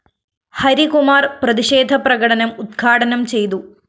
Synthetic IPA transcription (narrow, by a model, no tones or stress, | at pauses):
hɐɾikumaːrprɐðiɕeːd̪ʱɐprɐɣɐɽɐnɐmud̪ɡʰʱaːʈɐnɐmt͡ɕe̞jt̪u